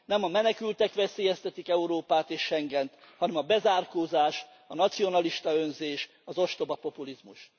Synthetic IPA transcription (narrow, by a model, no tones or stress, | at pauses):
nɛmɒmɛnɛkylt̪ɛkʋɛseːjɛst̪ɛt̪ikɛuɾoːpaːt̪eːʃːɛŋɡɛnt̪ | hɒnɛmɒbɛzaːrkoːzaːʃ | ɒnɒt̪sio̞nɒliʃt̪ɒønzeːʃ | ɒzo̞ʃt̪o̞bɒpo̞pulizmuʃ